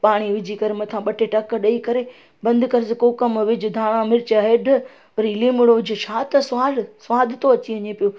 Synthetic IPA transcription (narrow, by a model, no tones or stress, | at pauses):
paːɽ̃iʋɪd͡ʑʱikɐɾmɐt̪ʰãɓɐʈʰeʈɐkɗɐikɐɾe | bɐ̃nd̪ʱkɐɾɪsɪkokɐmʋɪd͡ʑɪd̪ʱaːɽ̃ãmɪɾɪt͡ɕəɦeːɖʱə | ɐɾiːliːmʊɽoʋɪd͡ʑʱʊʃʰaːt̪ɐsʋaːɽsʋaːd̪ʱɪt̪oɐt͡ɕiɐɲepijo